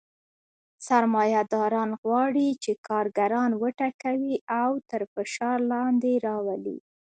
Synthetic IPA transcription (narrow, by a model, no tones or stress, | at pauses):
saɾmɑjad̪ɑɾɑnɣwɑɽit͡ʃekɑɾɡaɾɑnwəʈakawiʔawt̪əɾfɪʃɑɾlɑnd̪eɾɑwalḭ